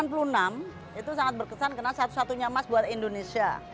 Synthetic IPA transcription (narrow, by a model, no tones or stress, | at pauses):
anp̬ulunam | it̪usaŋat̪̚bərkəsankərnasat̪u̥sat̪uɲamasbuat̪indonesia